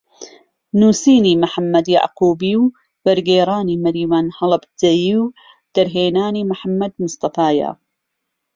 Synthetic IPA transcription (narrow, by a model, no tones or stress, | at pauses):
nuːsiːniːmʊħamːɐd̪ja̰ʕquːbiːw | b̥ɐɾɡeːɾaːniːmɐɾiːwaːnhɐlˠɨbzɐjiːw | d̪̥ɐɾɦeːnaːniːmʊħamːɐd̪mʊst̪ɐfaːjɐ̰